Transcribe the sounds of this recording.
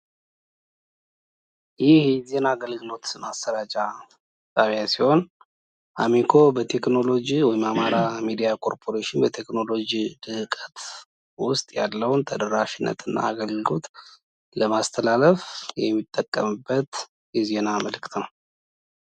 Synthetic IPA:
jɪhɛze̞naːɡəlɡɨlo̞t̪masəɾat͡ʃʼa | t̪ʼaβjasiho̞n | ʔamikʰo̞bət̪ʰe̞kno̞lo̞d͡ʒiwɔjɪmamaɾamid̪ijakʰo̞ɾpʰo̞ɾeʃɪnbət̪ʰe̞kno̞lo̞d͡ʒid̪ɨkʼət̪ʰ | wʊst̪ʼjalːəwnt̪ʰəd̪əɾaʃɪnːə̰t̪ʰɨnːa̰aɡəlɡɨlo̞̰t̪ʼ | ləmast̪ʰəlaləfjɛmːit̪ʼːəkʼːəmɨbːət̪ | jɛze̞naməlɨkt̪ʰəw

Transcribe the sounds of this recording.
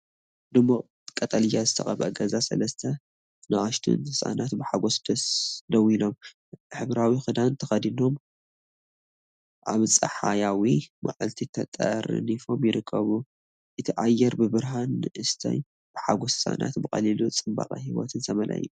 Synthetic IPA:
d̪ɨmo | kʼɐt̪ʼɐlɨjazɨt̪ʰɐxʼɐβʔɐɡɐzasɐ̰lɐst̪ʰɐ | naʔaʃt̪ʰṵnɨsʼa̰nat̪bɨħaɡosd̪̥ɐsnɐwino̞m | ħɨβɾawixɨd̪ant̪ʰɐxɐd̪ino̞m | ʔaβt͡sʼɐħajawima̰ʕɨlt̪ʰit̪ʰɐt̪ʼɐ̰ɾnifo̞mjɪɾɨkʰːɐβu | ʔɨt̪ʰiʔajːɛɾbɨbɨɾɦanɨʔɨst̪ʰɐ̰j | b̥ɨħaɡosɨsʼa̰na̰t̪bɨxʼɐ̰lilut͡sʼɨmba̰qʼa̰hiwo̰t̪ʰɨnsʰɐmɐlʔa̰jːu

